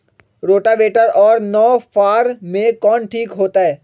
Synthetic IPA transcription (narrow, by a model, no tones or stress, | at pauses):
ɾoːʈaʋeːʈəɾɔːɾnɔːfaːɾmẽkɔːnʈʰiːkɦoːt̪aɦɛː